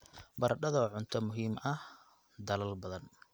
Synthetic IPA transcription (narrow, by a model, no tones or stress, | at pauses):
bɐrɖɐðɔʕʊnt̪ʰɔmʊɦiːmɐh | d̪ɐlɐlbɐðɐn